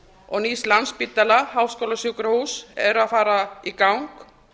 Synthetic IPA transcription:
ɔɣnislanspit̪ːalahaːwskowlasukɾahusɛɾʏaðfaːɾaikawŋk

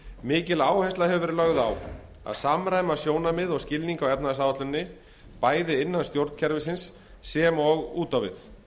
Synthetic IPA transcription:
mɪːcɪlaːwhɛjst̪ahɛvʏvɛːɾɪlœɣða̰w | a̰ðsamɾaːjmasjoːwnamɪðɔscɪlniŋkawɛpnaðsawat̪lʏnːɪ | paːjðɪɪnːanst̪jowɾt̪cʰɛɾvɪsɪnsː | ɛmɔɣuːt̪awvɪ̰θ

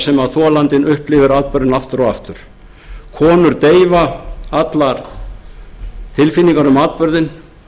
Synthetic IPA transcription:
sɛmaðθɔːlant̪ɪnʔʏhplɪvɪɾaːt̪̚pœɾðɪnaft̪ʏɾɔa̰ft̪ʏɾ̥ | kʰɔːnʏɾt̪eːjvaat̪laɾ̥ | t̪ʰɪlfinːiŋkaɾʏmaːðt̪̚pœɾðɪn

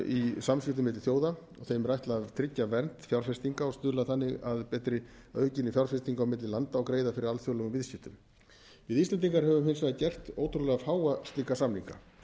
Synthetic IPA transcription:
isamsvɪht̪ʏmɪt̪ɪ̥θjoːwða | ɔ̰ɣθejmɾajht̪lavt̪ʰɾɪcːavɛnt̪fjawɾfɛst̪iŋkaɔɣst̪ʏːlaθanːɪɣaðpɛːt̪ɾɪ | œːcɪnːɪfjawɾfɛst̪iŋkawmɪt̪lɪlant̪aɔɣkɾeːjðafɪɾɪɾalθjowlɛɣʏmvɪðscɪt̪ʏm | vɪðist̪ɛnt̪iŋkaɾhɛvʏmhensvaðcɛr̥t̪oːwt̪ɾʏlɛɣafaːwast̪liːkasamliŋka̰

